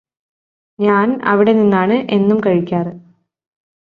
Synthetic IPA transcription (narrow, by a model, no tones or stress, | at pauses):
ɲaːnɐ̰ʋiɽe̞ninːaːɳɨʔe̞nːumkɐɻikʲːaːrɨ